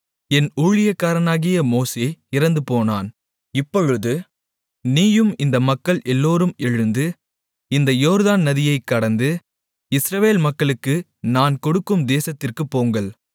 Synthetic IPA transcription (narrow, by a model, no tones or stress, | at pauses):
ɛnuːɻɪjɐkːaːɾɐnaːɣɪjɐmoːseɪɾɐnd̪ɯpoːnaːn | ɪpːɔɻɯðɯ | niːjɯmɪnd̪ɐmɐkːɐɭʔɛlːoːɾɯmɛɻɯnd̪ɯ | ɪnd̪ɐjoːɾðaːnnɐðɪjɐɪkːɐɽɐnd̪ɯ | ɪsɾɐʋeːlmɐkːɐɭɯkːɯ | naːnkɔɽɯkːɯmd̪eːsɐt̪ːɪrkɯpːoːŋɡɐɭ